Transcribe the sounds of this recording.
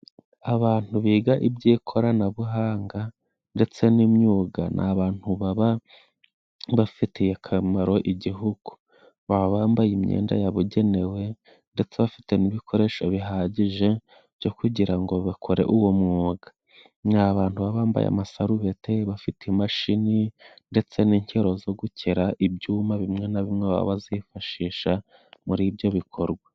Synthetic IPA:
aβaːn̥huβiːɡaʔibɟiːkʰo̞ɾanaβuɦaːŋɡa | nde̞t͡se̞nimɲuːɡa̰nʔa̰βaːn̥huβaβa | βafitʰijekʰamaɾo̞ʔiɟiɦuɡ̥u̥ | βaβaβaːmbajimɲḛːnda̰jaβuɟe̞ne̞we̞ | nde̞t͡se̞βafi̥te̞niβikʰo̞ɾe̞ːʃo̞βiɦaːɟiʒe̞ | bjo̞kuɟiɾaŋɡo̞βakʰo̞ɾe̞̰ʔuwomŋoːɡḁ | naβaːntuβaβaːmba̰ja̰masaɾuβe̞tʰe̞βafitʰemaʃininde̞t͡se̞niːɲceɾo̞zo̞ɡucʰeɾaʔibɟuːmaβimŋe̞naβimŋeβa̰βazifaʃiːʃa | muɾibjo̞βikʰo̞ɾɡwa

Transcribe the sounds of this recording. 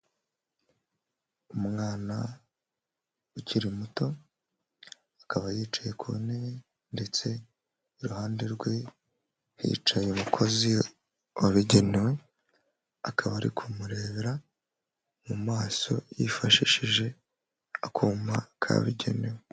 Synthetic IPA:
umŋaːna | uciɾimuto̞ | akaβajiːt͡ʃaje̞kʰune | nde̞t͡se̞ | iɾuhaːnde̞ɾɡwe | hḭːt͡ʃajeumukʰo̞zi | waβiɟe̞newe̞ | akʰaβaɾḭkʰumuɾe̞ːβeɾa | mumaːso̞̰jifaʃiːʃiʒe̞ | akʰuːmakʰa̰βiɟe̞̰newe

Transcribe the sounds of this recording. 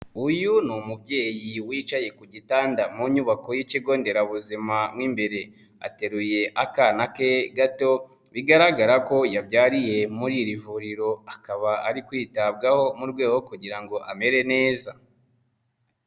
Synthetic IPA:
ujunumubɟe̞ːjiwiːt͡ʃaje̞kuɟitaːndamuɲuβako̞jiciɡo̞ːnde̞ɾaβuzimamŋiːmbe̞ɾe̞ | a̰te̞ɾuje̞ʔakanakeɡato̞ | βiɡaɾaɡaɾako̞jabjaːɾije̞muɾiɾivuɾiɾo̞akaβaʔaɾikwiːtab̚ɡaho̞muɾɡwe̞ːɡo̞kuɟiɾaŋɡo̞ʔame̞ɾe̞ne̞ːza

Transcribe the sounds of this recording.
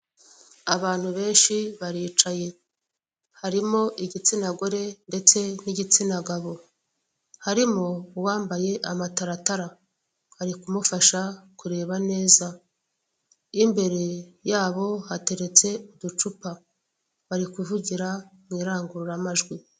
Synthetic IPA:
aβaːn̥huβe̞ːnʃiβaɾiːt͡ʃaje̞ | haɾimo̞ʔiɟit͡sinaɡo̞ɾe̞nde̞t͡se̞niɟit͡sinaɡaβo̞ | haɾimowaːmbaje̞ʔamataɾataɾa | βaɾikumufaʃakuɾe̞ːβane̞ːza | imbe̞ɾe̞jaːβo̞hate̞ɾe̞t͡se̞udut͡ʃupa | βaɾikuvuɟiɾamŋiːɾaːŋɡuɾuɾamaʒɡwi

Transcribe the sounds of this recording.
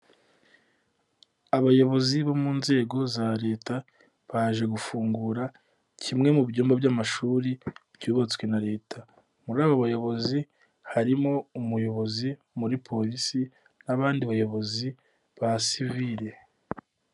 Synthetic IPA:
aβajo̞βo̞ziβomuːnze̞ːɡo̞zaɾe̞ːta | βaʒe̞ɡufuːŋɡuɾa | cʰimŋe̞mubɟuːmbabjamaʃuːɾibjuːβot͡swe̞naɾe̞ːtʰa | muɾaːβoβajo̞βo̞zi | haɾimo̞umujo̞βo̞zi | muɾipʰo̞ɾisi | naβaːndiβajo̞βo̞zi | βasiviɾe̞

